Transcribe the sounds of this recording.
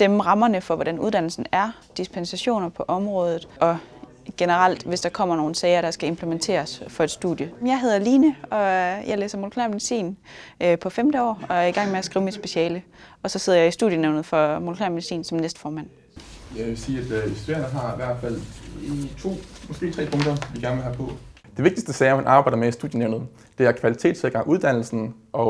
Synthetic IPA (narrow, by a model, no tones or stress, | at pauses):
d̥emʁɑ̈mɐnəfɒ̽ʋɒɾ̥ænuð̞ˠd̥æn̰l̩sn̩æɐ | d̥ispʰensæɕo̝̰ːnɐpʰɒ̽ʔɒ̽mʁɔ̽ːð̞ˠð̩ˠʔɒ̽ | ɡ̥enəʁɑl̰d̥ʋe̝sd̥ɑ̈kʰɒ̽m̰ɐno̝ːn̩sɛːɪɐɾ̥ɑ̈sɡ̥æe̝mpʰləment͡sʰe̝̰ːɐsfɒ̽e̝d̥sd̥ṵðˠjəjɑ̈ɪɦe̝ð̞ˠɐliːnəɒ̽jɑ̈ɪlḛːsɐmo̝lokʰlɛɐmeðisḭːn | øpʰɒ̽femd̥əɒ̰ːɒ̽æɐiɡ̥ɑ̈ŋ̰meæsɡ̥ʁiːʊmid̥sb̥e̝ɕɛːlə | ɒ̽sɒ̽se̝ð̞̰ˠɐjɑɪisd̥ṵðˠjəneʊnð̩ˠfɒ̽mo̝lokʰlɛɐmedisḭːnsɒ̽mnesd̥fɒːmæn̰ | jæʋesiːæd̥e̥seɐnəɦɑ̈iʋæɐ̰d̥fæl̰it͡sʰo̝̰ːmɒ̽sɡ̥e̝̰ːt͡sʰʁɛ̰ːpʰɔ̽ŋd̥ɐʋiɡæɐnəʋelɦæpʰɔ̽ | d̥e̝ʋe̝ɡ̥̚d̥isd̥əsɛːɐmænʔɑ̈ːbɑ̈ɪd̥ɐmeisd̥ṵðˠjəneʊnð̩ˠ | d̥e̝æɐkʰʋælit͡sʰe̝̰ːd̥seɡ̥ɑ̈ŋʔuðˠd̥æn̰l̩sn̩ | ɒ̽